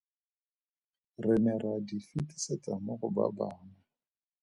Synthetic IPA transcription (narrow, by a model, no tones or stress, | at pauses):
rɪnɛradifitʼi̥set͡sʼamʊχʊba̰baːna